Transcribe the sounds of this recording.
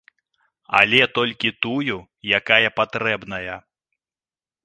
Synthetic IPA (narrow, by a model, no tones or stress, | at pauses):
a̰lʲɛt̪ɔlʲkʲit̪uju | jakajɐpat̪ɾɛbnɐjɐ